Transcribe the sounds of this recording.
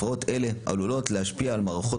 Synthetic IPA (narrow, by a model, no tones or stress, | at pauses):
o̞t̪e̞le̞ʔa̰lulo̞tleaʃpiaːlmaʁaχo̞